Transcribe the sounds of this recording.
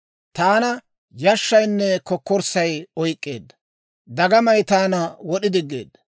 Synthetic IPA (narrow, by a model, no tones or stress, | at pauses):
t̪aːnɐ | jɐʃːɐjnːɛkɔkːɔɾsɐjɔjkʼːe̞̰ːd̪ːɐ̥ | d̪ɐɡɐmɐjt̪aːnɐwɔɗɪd̪ɪɡːe̞̰ːd̪ːɐ